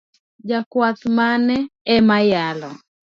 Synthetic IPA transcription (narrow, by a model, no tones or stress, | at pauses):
d͡ʒakwat̪manɛɛmajalɔ̰